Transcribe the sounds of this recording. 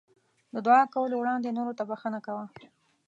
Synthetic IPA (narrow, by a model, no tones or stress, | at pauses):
d̪əd̪wɑkawəlowɽɑnd̪enoɾot̪abaxənakawa